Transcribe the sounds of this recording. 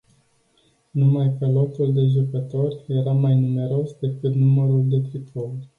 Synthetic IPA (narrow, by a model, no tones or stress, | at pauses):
numajkəlo̞t̪uld̪e̞ʒukət̪o̞rʲje̞ɾamajnume̞ɾo̞sd̪e̞kɨt̪numəɾuld̪e̞t̪ɾipolʲ